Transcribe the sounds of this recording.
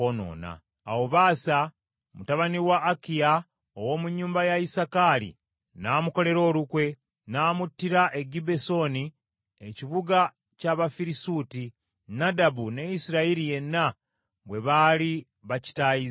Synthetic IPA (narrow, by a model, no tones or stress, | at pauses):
ono̰ːna̰ː | woβaːsa | mutaβaniwaːkija | owo̞ːmuɲːuːmbajaisakalḭ | naːmuko̞le̞ɾo̞ːlukwe̞ | naːmutːiɾaʔe̞ɡibe̞so̞ni | eciβuɡa | caβafiɾisuti | nadabune̞isiɾaiɾije̞nːa | βwe̞βali | βaci̥taiz